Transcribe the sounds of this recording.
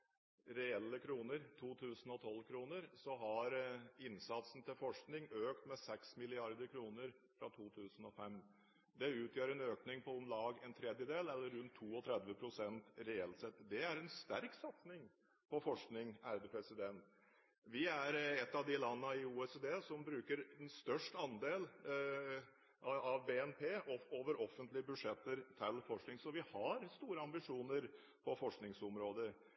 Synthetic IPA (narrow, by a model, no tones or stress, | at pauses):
ɾɛɛlːəkʰɾuːnəɾt̪ʰuːt̪ʰʉːsn̩ɔt̪ʰɔlːkʰɾuːnəɾsɔɦɑɾɪnsɑt̪sn̩t̪ʰɪlfɔʂknɪŋøːkt̪mɛsɛksmɪlɪɑɾd̪əɾkʰɾuːnəɾ | fɾɑt̪ʰuːt̪ʰʉːsn̩ɔfɛm | d̪ɛʉːt̪ʰjøːɾɛnøːknɪŋpʰɔɔmlɑːɡɛnt̪ʰɾɛd̪jəd̪eːlɛlːəɾɾʉnt̪ʰːuːɔt̪ʰɾɛd̪ʋəpʰɾʊsɛnt̪ɾɛɛlt̪sɛt̪ːd̪ɛæɾɛnst̪æɾksɑt̪snɪŋ | pʰɔfɔʂknɪŋæɾd̪əpʰɾɛsɪd̪ɛnt̪ | ʋɪæɾɛt̪ːɑʋd̪ɪlɑnːəɪuːɛseːd̪eːsɔmbɾʉːkəɾɛnst̪œʂʈɑnd̪eːl | ʔɑʋbeːɛnpʰeːɔoːʋəɾɔfənt̪lɪəbʉʂɛt̪ːəɾt̪ʰɪlːfɔʂknɪŋsɔʋɪhɑɾst̪uːɾəɑmbɪʂuːnəɾ | pʰɔfɔʂknɪŋsɔmɾoːd̪ə